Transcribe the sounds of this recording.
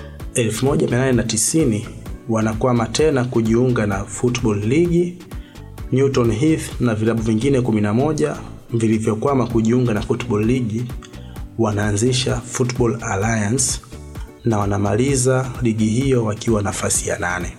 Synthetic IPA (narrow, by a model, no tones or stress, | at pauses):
ɛlfumɔɟamiananɛnatisiniwanakwamatɛnakuʄiuŋɡanafutɓɔlːiɡi | njutɔnɦiθnavilaɓuviŋɡinɛkuminamɔʄa | vilivjɔkwamakuʄiuŋɡanafutɓɔlːiɡi | wanaːnziʃafutɓɔlalajans | nawanamalizaliɠiɦijɔwakiwanafasija̰nanɛ